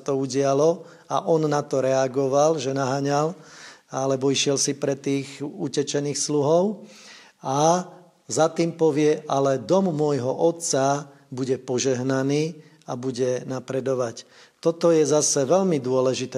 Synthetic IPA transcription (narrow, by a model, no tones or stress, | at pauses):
t̪ɔuɟɪalɔ | a̰ʔɔnːat̪ɔɾɛaɡɔʋalʒɛnaɦaɲalalɛbɔiʃɪɛlsipɾɛt̪iːɣucɛt͡ʃɛniːxsluɦɔʊ | a | zat̪iːmpɔʋɪɛʔalɛd̪ɔmːʊɔjɦɔʔɔt̪t͡sa | buɟɛpɔʒɛɦnaniː | abuɟɛnapɾɛd̪ɔʋac | t̪ɔt̪ɔjɛzasɛʋɛlmid̪ʊɔlɛʒit̪ɛ